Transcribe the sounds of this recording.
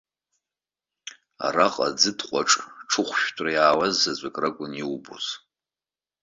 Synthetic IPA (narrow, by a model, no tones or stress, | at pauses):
a̰raqʼad͡zɨdʰqʷʼaʈ͡ʂʼʈ͡ʂʰɨχʷʃᶣtʷʰʼrajaːwazːazʷʼakʼraɡʷʼʊniwbo̰z̥